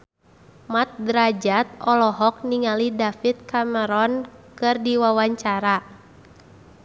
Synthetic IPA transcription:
mat̪̚dɾad͡ʒat̪̚ɔlɔɦɔk̚niŋalidafit̪̚kaməɾɔnkɨrdiwawaɲt͡ʃaɾa

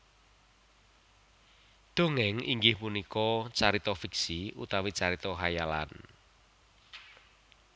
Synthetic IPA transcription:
d̪̥o̤ŋɛŋḭŋɡɪhpunikɔt͡ʃaɾit̪ɔfiksiṵt̪awit͡ʃaɾit̪ɔɦajala̰n

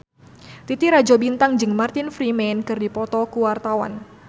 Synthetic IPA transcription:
t̪it̪iɾad͡ʒɔbint̪aŋd͡ʒɨŋmart̪ɪnfɾimɛnkɨrdipɔt̪ɔkuwart̪awa̰n

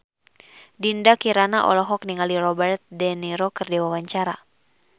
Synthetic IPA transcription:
dindakiɾanaʔɔ̰lɔɦɔk̚niŋalirɔbɛrt̪̚dɛniɾɔkɨrdiwawaɲt͡ʃaɾa

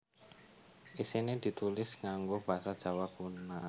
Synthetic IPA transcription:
ʔisined̪̥i̤t̪ulɪsŋaŋɡob̥aɦasad̥ʒ̥a̤wakuna

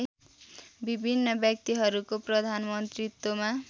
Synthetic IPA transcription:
bibʱinːʌbjʌk̚t̪iɦʌɾukoprʌd̪ʱanmʌnt̪rit̪ːoma

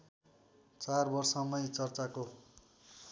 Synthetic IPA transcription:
t͡sarbʌrsʌmʌjt͡sʌrt͡sako

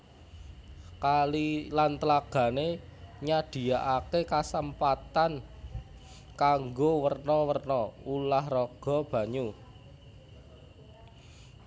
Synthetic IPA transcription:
kalilant̪əlaɡ̥ä̤neɲad̪̥i̤aʔakekasəmpat̪an | kaŋɡowərnɔwərnɔulahrɔɡ̥ɔ̤b̥ä̤ɲu

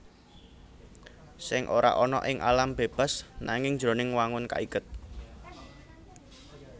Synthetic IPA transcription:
sɪŋʔoɾa̰ʔɔnɔ̰ʔɪŋʔalamb̥eb̥a̤snaŋɪŋd̥d͡ʒɾonɪŋwaŋʊnka̰ikʊt̪̚

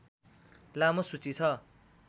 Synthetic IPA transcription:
lamosut͡sit͡sʰʌ

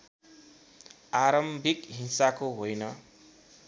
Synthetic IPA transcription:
aɾʌmbʱikɦinsakoɦojnʌ

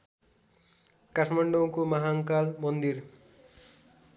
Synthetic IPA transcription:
kaʈʰmaɳɖʌw̃komaɦaŋkalmʌnd̪ir

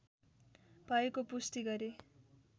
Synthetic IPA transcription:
b̥ʱʌekopust̪iɡʌɾe

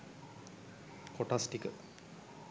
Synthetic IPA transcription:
koʈasʈikə

